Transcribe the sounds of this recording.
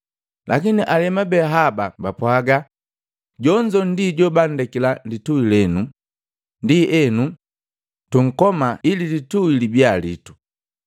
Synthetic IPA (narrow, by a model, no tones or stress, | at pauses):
la̰kiniʔalɛmabɛɦababapwaɡa | ɟɔɲd͡ʒɔn̩diɟɔbandɛkilandituilɛnu | ndiʔɛnu | tuŋ̩kɔmaililituilibjalḭtu̥